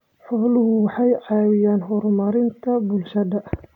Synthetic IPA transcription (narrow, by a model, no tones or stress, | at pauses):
ħɔːlʊɦʊwɑħɑjʕɑːwɪjaːnɦɔɾmɐɾɪnt̪ʰɐbʊlʃɐd̪ɐʔ